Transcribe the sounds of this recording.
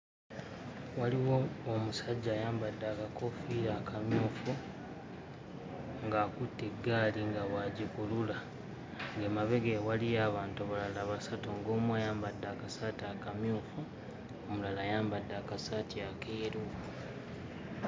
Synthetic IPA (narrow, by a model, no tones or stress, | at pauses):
waliwoomusaɟːaːjaːmbadːaːkako̞fiɾaːkʰamjuːfu | ŋɡaːkutːeɡːaːliŋɡawaɟikulula | ŋɡemaβe̞ɡewalijaːβaːntoβalalaβasatoŋɡo̞ːmwaːjaːmbadːaːkasataːkamjuːfu | omulalaːjaːmbadːaːkasatiakeːɾu